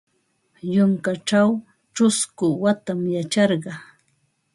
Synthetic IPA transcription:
jʊŋkaʈ͡ʂaw | ʈ͡ʂʊskʊwat̪amjat͡ʃɑɾɢɑ

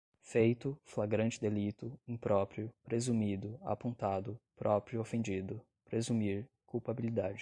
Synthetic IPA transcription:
fejt̪ʊflaɡɾɐ̃nt͡ʃɪd̪elit̪ʊĩpɾɔpɾjʊpɾezumid̪ʊa̰põnt̪ad̪ʊpɾʔɔpɾjʊofẽd͡ʒid̪ʊ | pɾezumiɾ | kuwpabilid̪ad͡ʒɪ

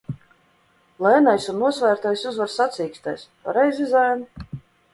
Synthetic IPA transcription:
lˠɛːnajsunːuɔsvæːɾt̪ajsuzvaɾsat̪sʲiːkst̪a̰jspa̰ɾɛjzʲizaːn

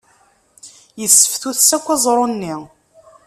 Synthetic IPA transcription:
jəsːə̥fθuθsækʷːæzˤɾˤonːi

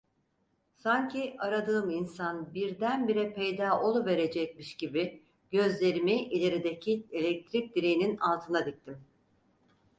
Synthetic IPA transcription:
saɲcʰiʔaɾad̪ɯːminsanbiɾd̪ænbiɾɛpʰejd̪aːʔo̞lˠuve̞ɾe̞d͡ʒɛc̚miʃɟ̥ibi | ɡɟ̥ø̞zlʲe̞ɾimiʔilʲe̞ɾid̪e̞cʰielʲɛc̚t̪ʰɾic̚d̪iɾejininalˠt̪ʰɯnad̪ic̚t̪ʰim

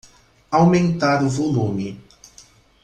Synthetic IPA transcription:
awmẽnt̪aɾʊvolũmɪ

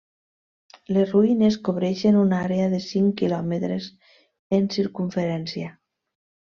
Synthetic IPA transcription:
lesruineskoβ̞ɾɛʃenunaɾeaðesiŋkilɔmet̪ɾes | ensiɾkuɱfeɾɛnsia

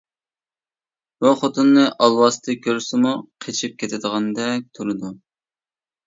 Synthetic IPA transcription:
buχot̪unːɨʔɑlˠwɑst̪ʰɨkʲʰøɾsɪmuqʰet͡ʃʰip̚kʲʰet̪ʰɪd̪əʁɑnd̪ɛk̚ʲt̪ʰolˠɨd̪u

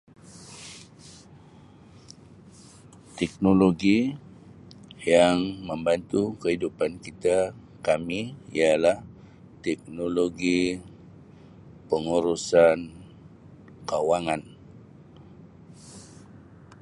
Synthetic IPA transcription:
t̪ɛk̚noloɡi | jaŋməmbant̪ukəɦidupankit̪a | kamiḭalah | t̪ɛk̚noloɡi | pəŋuɾusan | kawaŋan

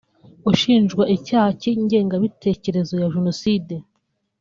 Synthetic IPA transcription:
uʃiːnʒɡwaʔicaːhaciɲɟe̞ːŋɡaβitʰe̞ːce̞ɾe̞zojaʒunoside̞

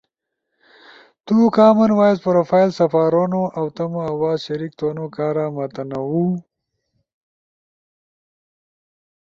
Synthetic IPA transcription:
t̪ukaːmɐnwaːjespɐɾoːfaːjlsɐfaːɾonoʔɐwt̪ɐmoɐwaːzɕɐɾiːk̚t̪oːnokaːɾamɐt̪ɐnɐwu

